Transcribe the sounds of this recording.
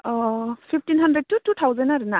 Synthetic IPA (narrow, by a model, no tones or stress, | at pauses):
pʰip̚ʰtinɦandɾed̚tutut̪ʰawzanaɾɯna